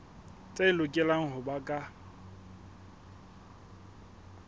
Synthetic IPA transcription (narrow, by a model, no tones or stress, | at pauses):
t͡sʼeɪlʊkʼɛlaŋ̩hʊbakʼa